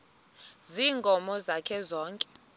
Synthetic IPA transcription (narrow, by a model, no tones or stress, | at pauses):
ziːŋɡʱɔmɔzakʰɛzɔːŋkʼɛ̥